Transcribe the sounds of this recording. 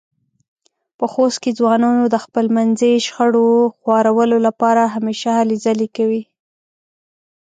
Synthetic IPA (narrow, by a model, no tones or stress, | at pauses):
pəxost̪ked͡zwɑnɑnod̪əxpəlmanzəjʃxəɽoxwɑɾawəlolapɑɾaɦameʃalizalikawi